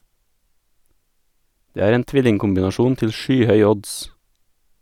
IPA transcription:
ˈdeː ˈæːɾ ˈeːn ˈtʋɪlɪŋkʊmbɪnɑˌʃuːn ˈtɪl ˈʃyːˌhœʏ ˈɔds

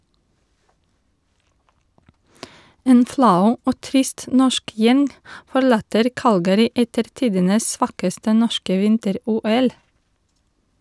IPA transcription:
ˈeːn ˈflɑʉ ˈoː ˈtɾɪst ˈnɔʃk ˈjɛŋ fɔˈɭɑːtəɾ ˈkɑlɡəɾɪ ˈʔɛtəɾ ˈtiːdənəs ˈsʋɑːkəstə ˈnɔʃkə ˈʋɪntəˌɾuːˌɛl

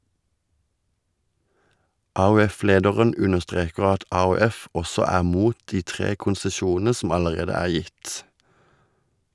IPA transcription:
ˌʔɑːʉˈɛˌfleːdəʁən ˈʉnəʁˌstʁeːkəʁ ˈɑt ˌʔɑːʉˈɛf ˈʔɔsɔ ˈæːʁ ˈmuːt ˈtiː ˈtʁeː kʊnsəˈʃuːnn̩ə ˈsɔm ˌɑləˈʁeːdə ˈæːʁ ˈjɪt

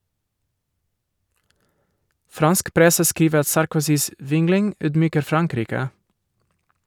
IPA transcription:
ˈfɾɑnsk ˈpɾɛsə ˈskiːʋə ˈɑt sɑɾkʊˈsiːs ˈʋɪŋlɪŋ ˈyːdˌmyːkəɾ ˈfɾɑŋˌkɾiːkə

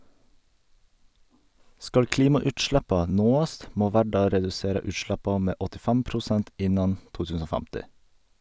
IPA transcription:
ˈskɑl ˈkliːmɑʉːtˌʃɽɛpɑ ˈnoːɑst ˈmoː ˈʋæːɖɑ ɾɛdʉˈseːɾə ˈʉːˌʃɽɛpɑ ˈmeː ɔtɪˈfɛm pɾʊˈsɛnt ˈɪnɑn ˈtuː ˈtʉsn̩ ˈoː ˈfæmtɪ

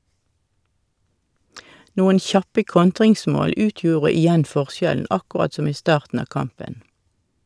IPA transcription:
ˈnuːən ˈçɑpə ˈkɔntʁɪŋˌsmoːl ˈʉːtjuːʁə ɪˈjɛn ˈfɔʁˌsjɛln̩ ɑkʊˈʁɑt ˈsɔm ˈiː ˈstɑːʁtn̩ ˈɑː ˈkɑmpən

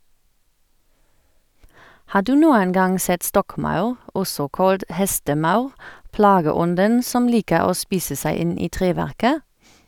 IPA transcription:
ˈhɑː ˈdʉː ˈnuːən ˈɡɑŋ ˈsɛt ˈstɔkˌmɑʉʁ ˈɔsɔ ˈkɑlt ˈhɛstəˌmɑʉʁ ˈplɑːɡəˌɔndən ˈsɔm ˈliːkəʁ ˈoː ˈspiːsə ˈsæɪ ˈɪn ˈiː ˈtʁeːˌʋæʁkə

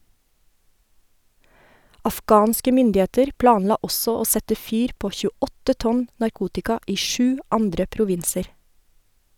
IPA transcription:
ɑfˈɡɑːnskə ˈmʏndɪeːtəɾ ˈplɑːnˌlɑː ˈɔsɔ ˈoː ˈsɛtə ˈfyːɾ ˈpoː çʉːˈɔtə ˈtɔn nɑɾˈkuːtɪkɑ ˈiː ˈʃʉː ˈɑndɾə pɾʊˈʋɪnsəɾ

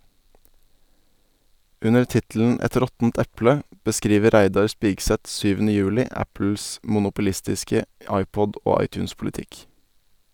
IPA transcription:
ˈʉnəɾ ˈtɪtl̩n̩ ˈɛt ˈɾɔtn̩t ˈɛplə bəˈskɾiːʋə ˈɾæɪdɑɾ ˈspiːɡsɛt ˈsyːʋn̩ə ˈjʉːlɪ ˈæpl̩s mʊnʊpʊˈlɪstɪskə ˈɑɪˌpɔd ˈʔoː ˈɑɪˌtʉːnspʊlɪˌtɪk

